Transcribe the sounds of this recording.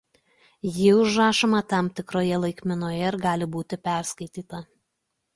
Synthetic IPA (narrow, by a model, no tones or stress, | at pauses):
jɪʊʒɾɑːʃomɑt̪ɑmt̪ʲɪkɾoːjɛlˠɐɪkʲmʲɪnoːjɛɪɾɡɑːlʲɪbuːt̪ʲɪpʲæˑɾskɐɪt̪ʲiːt̪ɐ